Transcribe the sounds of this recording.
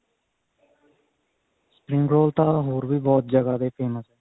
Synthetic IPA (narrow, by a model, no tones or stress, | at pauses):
sə̥pɾɪ̃ŋɡɾoːlt̪aːɦoːɾbiːbɔːt̪̚d͡ʒəɡaːd̪eːpʰeːməsɦɛː